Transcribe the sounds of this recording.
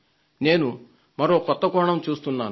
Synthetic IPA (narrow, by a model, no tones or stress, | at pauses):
ne̞ːnu | mɐɾo̞ːkɔt̪ːɐkɔːɳɐmt͡ʃuːst̪unːaːn